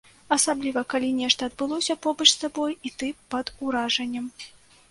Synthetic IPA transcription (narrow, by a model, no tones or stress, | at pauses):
ɐsablʲivɐkalʲinʲɛʂt̪ɐːd̪̚bɨlˠɔsʲɐpɔbɐt͡ʂst̪abɔjit̪ɨpɐd̪uɾaʐɐnʲːɐm